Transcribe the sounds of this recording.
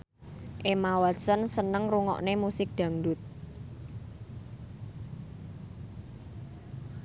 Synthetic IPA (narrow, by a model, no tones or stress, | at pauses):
ʔemawasənsənəŋruŋɔ̰ʔnemusɪk̚d̪̥ä̤ŋdʊt̪̚